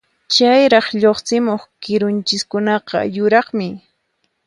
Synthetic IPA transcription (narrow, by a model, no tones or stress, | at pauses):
t͡ʃajɾɑχʎoχt͡sɪmoχkɪɾʊnt͡ʃɪskʊnɑqɑ̰jʊɾɑχmɪ